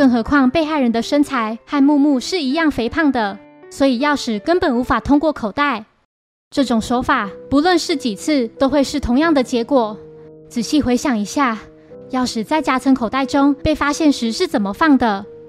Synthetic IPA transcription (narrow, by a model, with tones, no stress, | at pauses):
kɤ˥˩ŋxɤ˧˥kʰwɑ˥˧ŋpe˥˧ɪxa˥˩ɪɻə˧˦nd̪ə˧ʂə˥nt͡sʰa˧˥ɪxa˥˧nmu˥˧mu˥˧ʂɻ̩˥˩i˧˥jɑ˥˩ŋfe˧˥ɪpʰɑ˥˩ŋd̪ə˩ | swɔ˧˥i˨˩jɑ˥˩ʊʂɻ̩˨˩kə˦npə˨˩nu˧˥fa˨˩t̪ʰʊ˥ŋkwɔ˥˩kʰo˨˩ʊt̪a˥˩ɪ | ʈ͡ʂɤ˥˩ʈ͡ʂʊ˨˩ŋʂwɔ˧˥ʊfa˨˩pu˧˦lwə˥˧nʂɻ̩˥˩t͡ɕi˨˩t͡s̩ʰ˥˧t̪o˥ʊxwe˥˧ɪʂɻ̩˥˩t̪ʰʊ˧˥ŋjɑ˥˩ŋd̪ə˨˩t͡ɕjɛ˧˥kwɔ˨˩t͡sɹ̩˨˩ɕi˥˩xwe˧˥ɪɕjɑ˨˩ŋi˧˥ɕja˥˩ | jɑ˥˩ʊʂɻ̩˨˩t͡sa˥˩ɪt͡ɕja˥t͡sʰə˧˥ŋkʰo˨˩ʊt̪a˥˩ɪʈ͡ʂʊ˥ŋpe˥˩ɪfa˥ɕjɛ˥˩nʂɻ̩˧˦ʂɻ̩˥˩t͡sə˨˩nmə˦fɑ˥˩ŋd̪ə˩